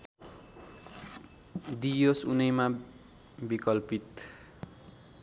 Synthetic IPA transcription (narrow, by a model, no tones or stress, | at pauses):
d̪ijosunʌjma | bikʌlpit̪